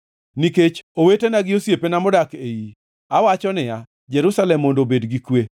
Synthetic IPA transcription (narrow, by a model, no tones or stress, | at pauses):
niket͡ʃowetenaɡɪosjepenamʊdakeji | awat͡ʃɔnɪa | d͡ʒɛɾusalɛmːondobedɡikwe